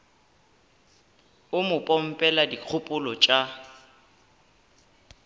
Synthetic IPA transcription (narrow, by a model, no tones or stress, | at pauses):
ʊmʊpʼɔm̩pʼɛladikʰʊpʼʊlɔt͡ʃʼa